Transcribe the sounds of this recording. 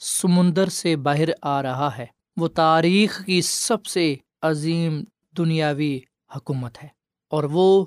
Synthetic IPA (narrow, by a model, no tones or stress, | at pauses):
sɐmʊ̃nd̪əɾsebaːɦɪɾaːɾɐɦaɦɛː | ʋoːt̪aːɾiːxkisɐbse | ɐziːm | d̪ʊnijaːʋi | hʊkuːmət̪ɦɛː | ɔːɾʋoː